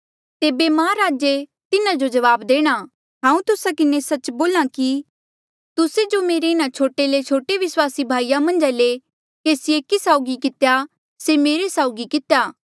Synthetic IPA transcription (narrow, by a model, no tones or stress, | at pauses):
t̪eːbemãːɾaːd͡ʒet̪ɪnãd͡ʒod͡ʒɐʋaːbd̪eːɽ̃a | ɦãːũt̪ʊsakɪnesɐt͡ʃboːlãki | t̪ʊsed͡ʒomeːɾeɪñãt͡ʃʰoːʈelet͡ʃʰoːʈeʋɪswaːsibʱaːijamɐ̃nd͡ʒale | keːsieːkisaːʊɡikɪt̪eja | semeːɾesaːʊɡikɪt̪ejaː